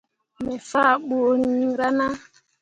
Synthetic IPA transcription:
mɛ˨fa˦˨ɓo˨ɾĩ˦ɾa˦na˦

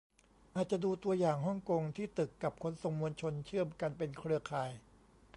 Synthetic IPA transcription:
ʔaː˨˩t̪̚t͡ɕa˨˩duː˧t̪u˧ɐjaː˨˩ŋɦɔ˥˩ŋko˧ŋt̪ʰiː˥˩t̪ɯ˨˩kːa˨˩p̚kʰo˧˥nso˨˩ŋmu˧ənt͡ɕʰo˧nt͡ɕʰɯ˥˩əmka˧npe˧nkʰɾɯ˥˩ɐkʰaː˨˩j

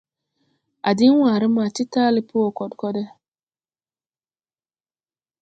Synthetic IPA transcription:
a˨dɪ˦ŋ˦wʷaː˨ɾɪ˦m˦a˨tɪ˦ta˦lɪ˦pʰo˦o˨kɔ˨dkɔ˦dɛ˦

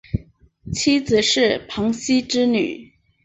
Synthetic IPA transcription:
t͡ɕʰi˥t͡sɹ̩˨˩ʂɻ̩˥˩pʰɑ˧˥ŋɕi˥ʈ͡ʂɻ̩˥ny̰˨˩˦

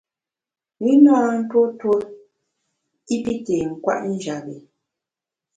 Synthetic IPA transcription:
mi˦nãː˦n̩˦two˦two˦ | i˦pi˦te˨ŋ̩˨kwa̰˦˨ʔn̩˦d͡ʒa˨bi˨

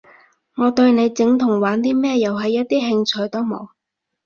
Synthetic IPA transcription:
ŋɔː˨˧t̪ɵ˧ɥne˨˧jt͡sɪ˨˥ŋt̪ʰʊ˨˩ŋwaː˨˥nt̪̬iː˥mɛː˥jɐ˨˩wɦɐ˨jːɐ˥t̚t̪iː˥ɦɪ˧ŋt͡ʃʰɵ˧jt̪o˥wmo̰˨˧w

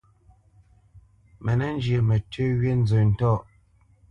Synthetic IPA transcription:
mɛ˨nɛ˦n˦d͡ʒə˨mə˨tʰʉ˦ɥe˦n̩˦zə˨n̩˨tɔ˦˨ʔ

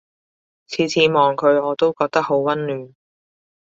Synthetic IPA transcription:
t͡sʰiː˨˧˥t͡sʰiː˨˧˥mɔː˨˩ŋkʰɵ˨˧ɥɔː˨˧t̪o˥wkɔː˧k̚t̪ɐ˥k̚ho˨˧˥wwɐ˥nlyː˨n

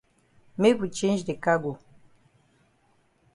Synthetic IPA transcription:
me˦ku˨t͡ʃe˦nd͡ʒde˨ka˦ɡo˨

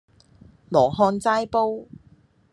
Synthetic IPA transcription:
lɔː˨˩ɦɔː˧nt͡saː˥jpo˥w

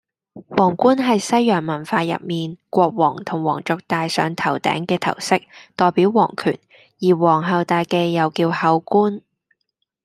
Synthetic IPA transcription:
wɔː˨˩ŋkuː˥nɦɐ˨jsɐ˥jːœː˨˩ŋmɐ˨˩nfaː˧jɐ̰˨p̚miː˨nkʷɔː˧k̚wɔː˨˩ŋt̪ʰʊ˨˩ŋwɔː˨˩ŋt͡ʃɔ˨˧k̚t̪aː˨˧jsœ̰ː˨˧ŋt̪ʰɐ˨˩wt̪ɛ̰ː˨˥ŋkɛː˧t̪ʰɐ̰˨˩wsɪ˥k̚t̪ɔː˨jpi˨˥wwɔː˨˩ŋkʰy̰ː˨˩n | jiː˨˩wɔː˨˩ŋɦɐ˨˧wt̪aː˨˧jke˧jːɐ˨wkiː˧whɐ˨˥wkuː˥n

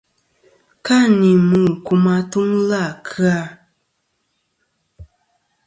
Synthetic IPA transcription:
ka˦˨ni˨mɨ˨ku˨ma˧tu˦ŋla˦˨kʰɨ˦a˦˨

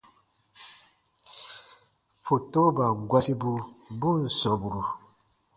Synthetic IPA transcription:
fo˨to˦ba˨ɡwa˦si˦bu˦bu˦˨n̩˨sɔ˨bu˨ɾu˨

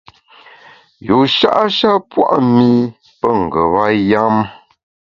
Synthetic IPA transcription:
jo˨ʃa̰˦ʔa˦ʃa˦pwa̰˦ʔmi˦ | pə˦ŋ̩˨ɡə˨βa˦ja˦m

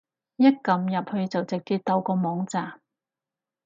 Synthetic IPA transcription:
jɐ˥k̚kɐ˨˧mjɐ˨p̚hɵ˨˧ɥt͡sɐ˨wt͡sɪ˨k̚ːi˧t̚t̪ɐ˧wkɔː˧mɔː˨˥ŋt͡saː˨˩m

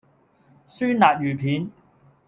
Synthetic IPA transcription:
syː˥nnaː˨k̚jyː˨˩pʰiː˨˥n

